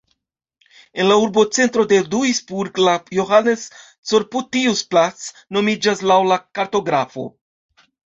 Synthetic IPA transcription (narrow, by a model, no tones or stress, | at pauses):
e̞nlauɾbo̞t͡se̞nt̪ɾo̞de̞duisbuɾɡlajoɦanes | t͡soɾputiusplat͡s | no̞mid͡ʒaslawlakaɾto̞ɡɾafo̞̰